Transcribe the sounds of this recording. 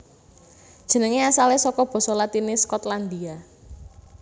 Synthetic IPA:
d̥ʒ̥ə̤nəŋeasalesɔkɔb̥ɔ̤sɔlat̪inɪskɔt̪land̪ia

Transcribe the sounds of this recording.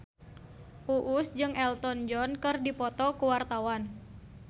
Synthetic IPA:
ʔuʔusd͡ʒɨŋʔɛlt̪ɔnd͡ʒɔnkɨrdipɔt̪ɔkuwart̪awan

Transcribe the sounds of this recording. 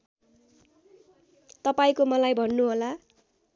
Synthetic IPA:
t̪ʌpaĩkomʌlajbʱʌnːuɦola

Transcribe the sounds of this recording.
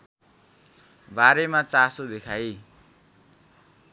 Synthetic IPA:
baɾemat͡sasod̪ekʰaj

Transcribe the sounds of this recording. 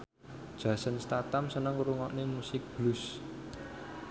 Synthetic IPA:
d̥ʒ̥ä̤sənst̪at̪amsənəŋɾuŋɔʔnemusɪk̚b̥lus

